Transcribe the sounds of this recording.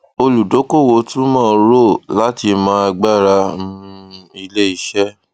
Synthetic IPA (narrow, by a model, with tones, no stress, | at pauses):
o˧lu˨do˨˦ko˦˨wo˨˦tũ˦mãː˦˨ɾo˦˨la˦ti˧mã˨˦a˧ɡ͡ba˦˨ɾa˧˦ũ˦˧i˧le˦i˧˦ʃɛ˦